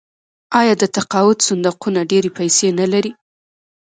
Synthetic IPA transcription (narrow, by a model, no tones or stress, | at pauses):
ɑjɑd̪ət̪aqɑwʊt̪sʊnd̪aqunaɖeɾepajsenalaɾi